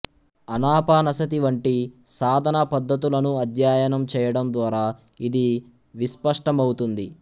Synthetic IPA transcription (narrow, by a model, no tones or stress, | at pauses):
ɐnaːpaːnɐsɐt̪iʋɐɳʈisaːd̪ʱɐnɐpɐd̪ːɐt̪̬ulɐnuɐd̪ʱjaːjɐnɐmt͡ʃɛːjɐɽɐmd̪ʋaːɾaː | id̪i | ʋispɐʂʈɐmɐwut̪und̪i